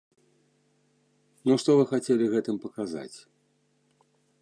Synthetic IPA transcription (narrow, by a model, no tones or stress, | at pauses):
nuʂt̪ɔvɨxat͡sʲelʲiɣɛt̪ɨmpɐkaza̰t͡sʲ